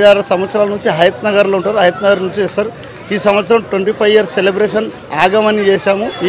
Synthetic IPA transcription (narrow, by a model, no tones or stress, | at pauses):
aːlɐsɐmʋɐt̪sɐɾaːlɐnuɲt͡ʃiɦɐjɐt̪nɐɡaɾloːuɳʈaːɾuɦɐjɐt̪nɐɡaɾnuɲt͡ʃisɐɾ | iːsɐmʋɐt̪sɐɾɐmʈʋeɳʈiːpʰɐjʋijɐɾsselebɾeːʂɐn | aːɡɐmɐnit͡ʃeːʃaːmu